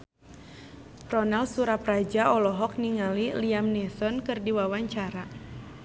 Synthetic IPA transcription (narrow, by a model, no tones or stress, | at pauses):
rɔnalsuɾaprad͡ʒaɔlɔɦɔk̚niŋaliliamnɛsɔnkɨrdiwawaɲt͡ʃaɾa